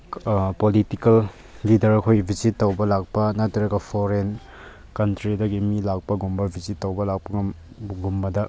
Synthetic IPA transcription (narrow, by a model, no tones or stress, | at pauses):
politikɐl | lidɐɾkʰojbʱizitːowbɐlak̚pɐnatiɾɐɡɐpʰoɾen | kɐntɾidɐɡimilak̚pɐɡumbɐbʱizitːowbɐlak̚pɐŋɐm | ɡumbɐdɐ